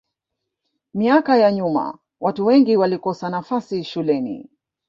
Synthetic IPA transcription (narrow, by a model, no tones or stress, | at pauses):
miakajaɲuma̰ | watuwɛŋɡiwalikɔsanafasiʃulɛnḭ